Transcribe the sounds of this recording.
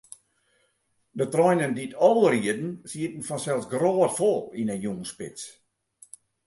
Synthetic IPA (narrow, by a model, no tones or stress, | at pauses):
dətrɔjnənditʰɔlˠəriədn̩siətn̩fɔnsɛlˠsɡroːtfɔlˠinəjuŋənspɪ̰t͡s